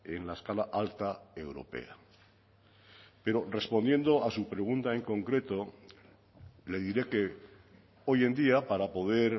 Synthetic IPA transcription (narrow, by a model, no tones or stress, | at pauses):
e̞nlaeskalaʔalt̪ae̞wɾo̞̰pḛa | pe̞ɾo̞re̞spo̞nd̪je̞nd̪o̞asupɾe̞ɣ̞unt̪ae̞ŋkõ̞ŋkɾe̞t̪o̞ | le̞ðiɾe̞ke̞ | o̞je̞nd̪iapaɾapo̞ð̞e̞ɾ